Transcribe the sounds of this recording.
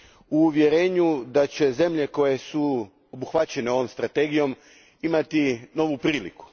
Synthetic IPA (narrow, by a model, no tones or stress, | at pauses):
uːʋje̞ɾe̞ːɲud̪at͡ɕe̞ze̞mʎe̞ko̞je̞su | obuxʋat͡ɕe̞ne̞o̞ʋo̞mst̪ɾat̪e̞ɡijo̞m | imat̪ino̞ʋupɾiːlḭku̥